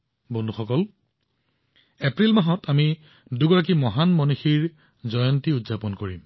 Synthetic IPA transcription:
bɔndʱuxɔkɔl | epɹilmaɦɔtami | duɡɔɹak̬imɔɦanmɔnuxiɹ | zɔjɔntiudzapɔnkoɹim

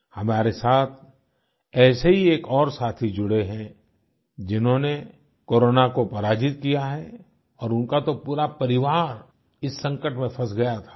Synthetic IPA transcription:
hɐmaːɾesaːt̪ʰ | ɛːseɦieːkɔːɾsaːt̪ʰid͡ʒʊɽeɦɛ̃ | d͡ʒɪnɦõne | koːɾoːnakopɐɾaːd͡ʒɪt̪̚kijaɦɛ | ɔːɾʊ̃nkat̪opuːɾapɐɾɪʋaːɾ | ɪsːɐ̃ŋkəʈmẽfʰɐsɡɐjat̪ʰḁː

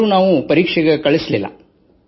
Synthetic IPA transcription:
uːnaːʋupɐɾiːkʂɛɡekɐɭislilːɐ̰

